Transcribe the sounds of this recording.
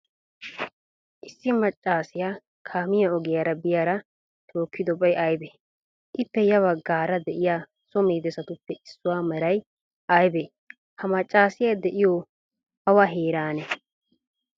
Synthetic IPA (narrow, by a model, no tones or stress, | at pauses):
ʔɪsːɪmɐt͡ʃʼːaːsɪjaː | kʰaːmɪjɐɔɡɪjaːɾɐbɪjaːɾɐ | t̪ʰoːkːɪd̪ɔbɐjʔajbe | ʔɪpːɛjɐβɐɡːaːɾɐd̪ɛʔɪjaː | sɔmeːd̪ɛsɐt̪ʊpːɛʔɪsːʊwaːmɐɾɐj | ʔɐjbe | hɐmɐt͡ʃʼːaːsɪjad̪ɛʔɪjɔ | ɐwɐɦeːɾaːnɛ